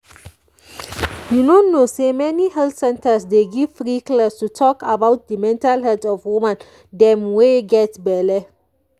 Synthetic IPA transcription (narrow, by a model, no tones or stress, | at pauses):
junonːosemɛnihɛlθsɛ̃ntəsd̪eɡiv̥fɹikləstutʰɔkabawt̪̚d̪əmɛ̃ntalɦɛdɔvwumãn | d̪ɛmweɡɛtbɛlə